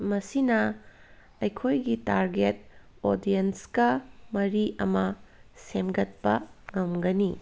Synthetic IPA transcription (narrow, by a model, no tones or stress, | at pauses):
mɐsinɐ | ɐjkʰojɡitaɾɡet̚ | odienskɐmɐɾiʔɐmɐsemɡɐt̚pɐŋɐmɡɐni